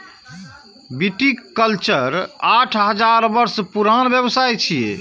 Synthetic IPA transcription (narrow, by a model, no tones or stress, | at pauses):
biʈikːəlt͡ʃəɾaʈʰɦəd͡ʒaɾbəɾspuɾanbjəbsajt͡ʃʰiḛ